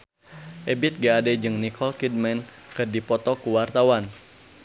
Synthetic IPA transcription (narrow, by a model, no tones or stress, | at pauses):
ʔebit̪̚ɡaːdɛd͡ʒɨŋnikʰɔlkid̚mɛn | kɨrdipɔt̪ɔkuwart̪awan